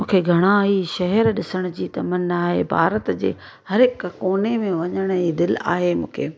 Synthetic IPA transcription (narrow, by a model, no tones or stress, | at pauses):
mũːkʰeɡʱɐɽ̃aɦiʃɐɦɛɾɗɪsəɽ̃ʊd͡ʑiːt̪ɐmənaːɦḛbʱa̰ːɾət̪d͡ʑḛː | hɐɾɦɪkkoːnemẽʋɐɲəɽ̃iːd̪ɪla̰ːɦemṵ̃ːkʰeː